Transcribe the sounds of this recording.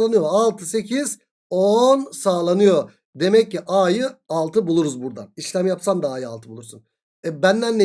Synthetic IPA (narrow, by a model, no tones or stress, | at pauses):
lˠanɯjoalˠt̪ʰɯse̞cʰiz | onsaːlˠanɯjo̞ | d̪e̞mɛcːiʔajɯalˠt̪ʰɯbulˠuɾuzbuɾd̪a̰iʃlʲæmjapsand̪aaːjɯa̰lˠt̪ʰɯbulˠuɾsun | bænd̪ænːe